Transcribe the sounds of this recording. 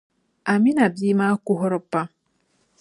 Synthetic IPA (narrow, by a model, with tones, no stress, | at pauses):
a˨mi˦na˨bi˦ma˦ku˦ɦɔ˦ɾɔ˦pːa˦